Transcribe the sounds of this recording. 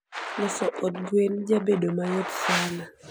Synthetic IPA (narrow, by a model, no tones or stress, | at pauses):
lɔsɔʔot̪̚ɡwend͡ʒabedomajot̪sana